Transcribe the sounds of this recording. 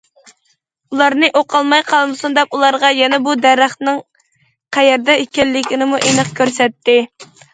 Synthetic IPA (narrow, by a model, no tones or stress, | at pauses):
ulˠɑɾnɨʔoqʰɑlˠmɑjqʰɑlˠmɨsund̪ɛp̚ulˠɑɾʁɑjɛnɛbud̪ɛɾːɑχnɨŋ | qʰæjɛɾd̪ɛekʲɛlːɪkʲinɪmuʔenɨqkʲʰøɾsɛt̪ʰːɪ